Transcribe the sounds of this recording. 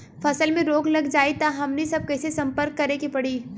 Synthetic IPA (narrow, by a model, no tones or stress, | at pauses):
fʰɐsəlmẽɾoːɡlɐɡd͡ʒaːit̪aɦɐmnesɐb̚kɐːsesɐ̃mpəɾkːɐɾekipɐɽiː